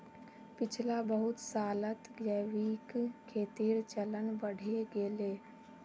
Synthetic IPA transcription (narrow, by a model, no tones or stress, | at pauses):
pɪt͡ʃʰlabəɦʊt̪saːlət̪ɡjəʋikkʰːeːt̪iɾt͡ʃələnbəɽ̤eɡeleː